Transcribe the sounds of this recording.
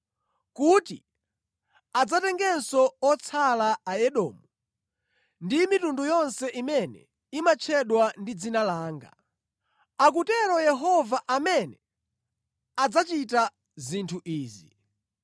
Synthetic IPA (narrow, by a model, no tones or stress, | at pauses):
kutḭ | ad͡zatɛŋɡɛnsɔɔt͡sʰalaajɛɗɔ̰ːmu | ndimitundujɔnsɛʔimɛnɛ̰ | imat͡ʃʰɛɗwandid͡zinalaːŋɡa̰ | ak̬utɛɾɔjɛɦɔvaʔamɛnɛ | ad͡zat͡ʃita | zintʰuʔiːzi